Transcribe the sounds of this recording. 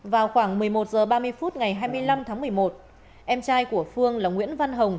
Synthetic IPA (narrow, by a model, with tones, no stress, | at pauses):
vaː˨˩wxwaː˧˩ŋmɨ˨˩əjmo˨˩t̚zəː˨˩ɓaː˧mɨ˧əjfu˦˥t̚ŋa˨˩jɦaː˧jmɨ˧əjla˧mt̪ʰaː˨˦ŋmɨ˨˩əjmo˨˩t̚ | ʔɛ˧mt͡ɕaː˧jku˧˩əfɨ˧əŋlaː˨˩ŋwḭ˧˥ənva˧nɦə˨˩wŋ͡m